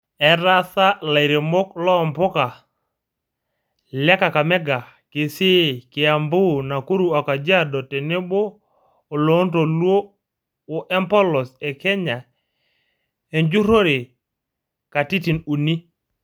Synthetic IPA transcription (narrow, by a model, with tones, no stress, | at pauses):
ɛ˨ɾa˦sa˦la˨i˨ɾe˨mo˦klɔ˦˨mpʊ˦ka˨ | lɛ˦ka˨ka˨mɛ˦ɡa˨ | ke˨se˦kɪ˨a˨mbʊ˦na˨ku˦ɾu˨a˨ka˨d͡ʒa˦dɔ˨te˨ne˦boː˦˨ | lo˨˦nto˨lwo˦ | o˨ʔɛ˦mpɔ˦lɔ˨sɛ˨kɛ˦ɲa˨ | e˨ɲd͡ʒu˦ɾo˦ɾe˨ | ka˨ti˦ti˨nu˨ni˦